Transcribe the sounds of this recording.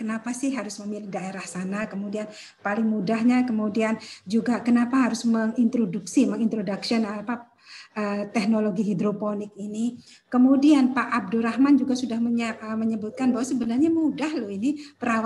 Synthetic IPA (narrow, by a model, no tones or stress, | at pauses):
kənapasɪhɦaɾʊsməmilɪk̚daeɾahsanakəmudian | palɪŋmudahɲakəmudiand͡ʒuɡakənapaɦaɾʊsməŋint̪ɾoduksiməŋint̪ɾodaksiɔnapa | ʔət̪ɛknoloɡiɦidɾoponɪk̚ini | kəmudianpaʔːb̚dʊɾahmand͡ʒuɡasudahəəməɲəbut̪̚kanbaɦwaʔsəbənarɲamudahloinipəɾawa